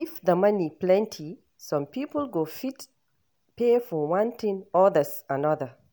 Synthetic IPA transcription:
ifðəmʌniplɛ̃ntʰi | sʌ̃mpipəl̩ɡofit | pefɔwʌ̃nt̪ɪ̃nɔðəsanʌðə

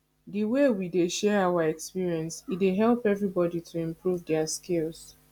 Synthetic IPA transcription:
diwewideʃɛɹawaɛkspiɹiɛ̃nsit̚deɦɛlˠpɛvɹibɔditʰuĩmpʰɹuvdɛaskilˠz

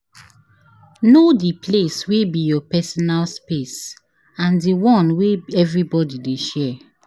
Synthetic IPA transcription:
nodipleswebijɔpɛsɔnalspes | ãndiwɔ̃nweɛvɹibɔdideʃɛ

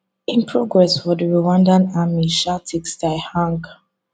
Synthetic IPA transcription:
ĩnpʰɹɔɡɹɛswɔdɹuwãndãnamiʃatʰikstaɪhãŋɡ

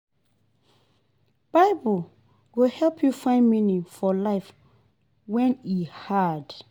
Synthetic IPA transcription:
b̥aɪbəl | ɡohɛlpʰjufãɪ̃nminifɔlaɪf | wɛ̃nihad

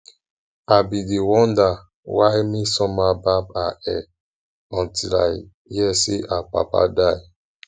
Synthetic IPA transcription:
abidewɔ̃nda | waɪmisɔmababaʔɛ | ɔ̃ntila̰ | jiɛseʔapa̰pa̰daɪ

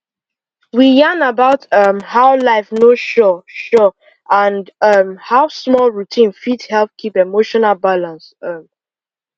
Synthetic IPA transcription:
wijãnabaʊtʌmhaʊlaɪfnoʃɔʃɔ | ãndʌmhaʊsmɔlɹutʰĩnfidhɛlp̚kʰipemoʃɔnalbalãnsʌm

